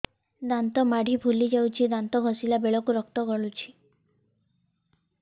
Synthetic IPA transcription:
d̪ant̪ɔmaɽ̤ʱibʱulid͡ʒawt͡ʃʰid̪ant̪ɔɡʱɔsilabeɭɔkuɾɔk̚t̪ɔɡɔɭut͡ʃʰi̥

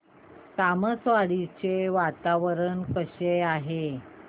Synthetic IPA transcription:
saməsʋaɽit͡ɕeʋat̪aʋəɾənkəɕejaɦe

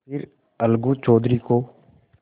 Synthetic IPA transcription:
pʰɪɾ | əlɡũːt͡ʃɔːd̪ɾiːkoː

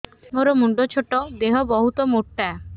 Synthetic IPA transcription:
moɾomuɳɖot͡ɕʰoʈːod̪eɦobɔɦut̪omoʈːa

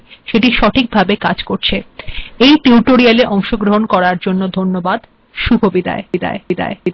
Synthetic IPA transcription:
ʃeʈiʃɔʈʰik̚bʱabekad͡ʑkoɾt͡ɕʰeejʈiuʈoɾialeʔɔŋʃoɡɾoɦonkɔɾaɾd͡ʑonːod̪ʱonːobad̪ | ʃubʱobid̪a̰eid̪a̰eid̪a̰ḛ

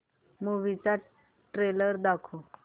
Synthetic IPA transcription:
muʋit͡sa | ʈɾeləɾd̪akʰo

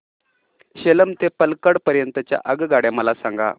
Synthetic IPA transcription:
ɕeləmt̪epəlkəɽpəɾjənt̪ət͡ɕja̰ʔəɡɡaɽjaməlasaŋɡa̰

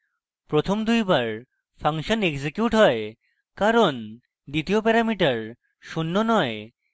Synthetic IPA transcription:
pɾot̪ʰomd̪ujbaɾ | fʰaŋʃoneksekjuʈɦɔe | kaɾon | d̪it̪iopɛɾamiʈaɾ | ʃunːonɔe

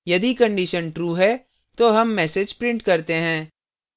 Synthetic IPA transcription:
jɐd̪ikɐ̃ɳɖiʃənʈɾuːɦɛ | t̪oɦɐmːɛːsed͡ʒpɾɪ̃ɳʈkɐɾt̪eɦɛ̃ː

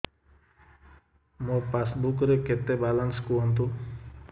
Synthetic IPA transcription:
mopasbukɾeket̪ebalanskuɔnt̪̬u

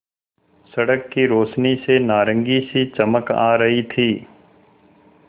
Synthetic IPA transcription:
sɐɽəkːiɾoːʃnisenaːɾə̃ŋɡisit͡ʃɐməka̰ːɾɐɦit̪ʰiː

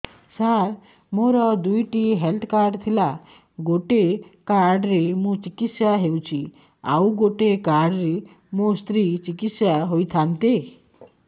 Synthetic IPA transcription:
saɾ | moɾɔd̪ujʈiɦelt̪ʰkaɾɖt̪ʰila | ɡoʈekaɾɖɾemũt͡ʃikit̪sjaɦewt͡ʃʰi | a̰wɡoʈekaɾɖɾe | most̪ɾit͡ʃikit̪sjaɦojt̪ʰant̪e

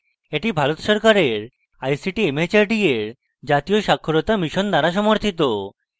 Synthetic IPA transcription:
eʈibʱalot̪ʃɔɾkaɾeɾ | ajsiʈiemet͡ɕaɾɖieɾ | d͡ʑat̪ioʃakʰːoɾot̪amiʃond̪aɾaʃ̬ɔmoɾt̪ʰit̪o

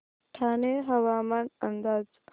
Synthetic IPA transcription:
ʈʰaːneɦɐʋaːmanɐnd̪aːz

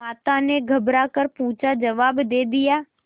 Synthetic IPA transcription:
maːt̪ãneɡʱəbɾaːkəɾpũːt͡ʃad͡ʒəʋaːbd̪eːd̪ɪjaː

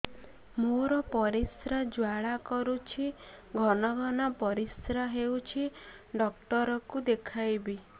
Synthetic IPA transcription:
moɾɔpɔɾisɾad͡ʒwaɭakɔɾut͡ʃʰiɡʱɔnɔɡʱɔnɔpɔɾisɾaɦewt͡ʃʰi | ɖɔkʈɔɾɔkud̪ekʰajbi

